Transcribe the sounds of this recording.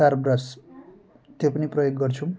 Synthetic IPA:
arbras | t̪jopʌniprʌjoɡːʌrt͡sʰũ

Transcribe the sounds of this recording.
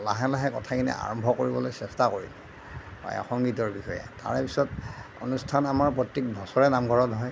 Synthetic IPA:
laɦɛlaɦɛkɔtʰakinɛ̰a̰ɹɔmbʱɔkoɹibɔlojsɛstakoɹḭlɛ | pa̰jɔ̰xɔŋɡitɔɹbixɔjɛ̰ta̰ɹɛpisɔt | o̰nustʰanamaɹpɹɔtːik̚bʱɔsɔɹɛnamɡʱɔɹɔdɦɔj

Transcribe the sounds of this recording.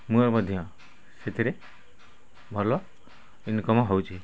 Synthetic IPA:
muɔɾbɔd̪ʱijɔ̃ | set̪ʰiɾe | bʱɔɾlɔ | inkɔmɔɦɔwt͡ʃʰi

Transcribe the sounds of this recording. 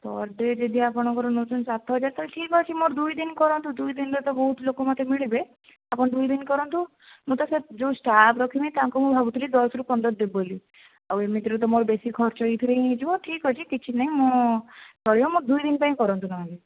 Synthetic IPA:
t̪ɔ̰ɾɖed͡ʒed̪iapɔɽ̃ɔkɔɾɔnot̪unsat̪ʰɦɔd͡ʒaɾt̪aleʈʰikɦɔt͡ʃʰimoɾd̪ujd̪inkɔɾɔnt̪ud̪ujd̪inɾet̪ɔbɔɦut̪ʰlokomat̪ʰemiɭibe | apɔɽ̃d̪ujd̪inkɔɾɔnt̪u | mũt̪ɔsed͡ʒowsʈapʰɾɔkʰimĩt̪ãŋkumũbʱabut̪ʰilid̪ɔsɾukɔnd̪ɔd̪eboli | awemit̪ɾet̪̬ɔmoɾbesikʰɔɾt͡ʃɔit̪ʰileĩd͡ʒibɔʈʰikɦɔt͡ʃʰikit͡ʃʰinaɦĩmo | sɔɽiɔmoɾd̪ujd̪inpaĩkɔɾɔnt̪unaɦãli

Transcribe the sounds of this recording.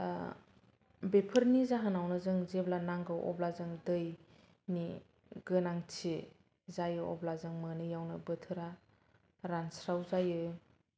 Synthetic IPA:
bepʰɯɾnizaɦanawnɯzɯŋzeblanaŋɡɯʔɔ̰blazɯŋdɯj | ni | ɡɯnaŋtʰe | zajɯɔ̰blazɯŋmɯnɯjawnɯbɯtʰɯɾa | ɾansɾawzajɯ

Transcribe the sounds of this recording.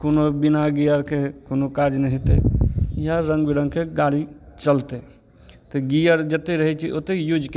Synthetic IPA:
konobɪnaɡijəɾkʰekoːnokad͡ʒnəɦit̪ḛjaɾə̃ŋɡbɪɾə̃ŋɡkʰeɡaːɽit͡ʃəlt̪e | t̪eɡijəɾd͡ʒət̪eɾəɦɛt͡ʃʰiʔot̪ejud͡ʒk

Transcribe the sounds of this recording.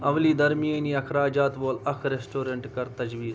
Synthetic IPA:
ɐʋliːd̪ɐɾmijɐːniːɐkʰɾaːd͡ʒaːt̪ʋoːlɐkʰɾesʈoːɾeɳʈkɐɾt̪ɐd͡ʒʋiːz

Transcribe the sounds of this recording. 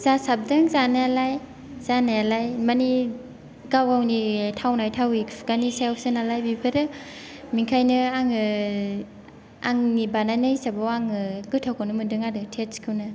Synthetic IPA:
z̥asab̚dɯŋzanaalaj | zanajalajmani | ɡawawnitʰawnajtʰawikpʰɡanisajaw̚sɯnalajbipʰaɾɯ | miŋkʰajnɯaŋɯ | a̰ŋnibanajnɯisabawaŋɯɡɯtʰawkʰanɯmɯdɯŋadɯtʰeskʰɯwnɯ

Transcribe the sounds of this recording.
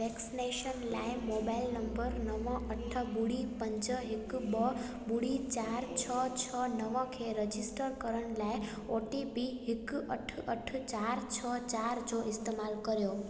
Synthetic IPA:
ʋɛksineʃənlajmobailnəmbəɾnəʋɔ̃ʔəʈʰəbuɽipəɲt͡ʃəɦikbə | buɽit͡ʃaɾt͡ʃʰət͡ʃʰənəʋɔ̃kʰeɾəd͡ʒisʈəɾkəɾəɳlaj | oʈibiɦikəʈʰəʈʰt͡ʃaɾt͡ʃʰət͡ʃaɾd͡ʒoʔɪst̪emalkəɾjo

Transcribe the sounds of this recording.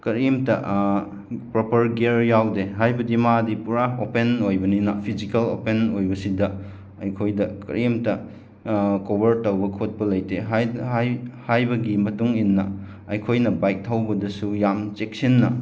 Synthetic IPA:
kɐɾimtɐ̰ | pɾopɐɾɡeɾjawdeɦajbɐdimadipuɾaopenojbɐninɐpʰizikɐlopenojbɐsidɐ | ɐjkʰojdɐkɐ̰ɾimtɐ | kobɐɾtɐwbɐkʰot̚pɐlɐjteɦ | hajbɐɡimɐtuŋinːɐ̰ | ɐjkʰojnɐbajk̚tʰɐwbɐdɐsujamt͡ʃek̚sinːɐ̰

